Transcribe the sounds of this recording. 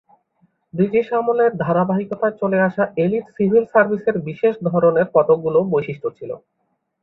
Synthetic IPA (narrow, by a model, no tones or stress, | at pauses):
d̪id͡ʑiʃamoleɾd̪ʱaɾabaɦikot̪aet͡ɕoleaʃaʔeliʈsibʱilsaɾbʱiseɾbiʃeʃd̪ʱɔɾoneɾfɔt̪oɡ̚ulobojʃiʃʈʰot͡ɕʰilo̰